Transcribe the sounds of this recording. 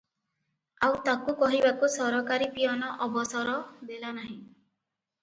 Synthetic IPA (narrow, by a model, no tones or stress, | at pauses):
awt̪akukɔɦibakusɔɾɔkaɾipijɔnɔʔɔbɔsɔɾɔd̪elanaɦĩ